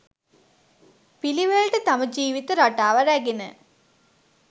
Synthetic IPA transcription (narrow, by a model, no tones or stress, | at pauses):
piliʋeɭʈət̪aməd͡ʒiːʋit̪əɾaʈaːʋəɾæɡenə̰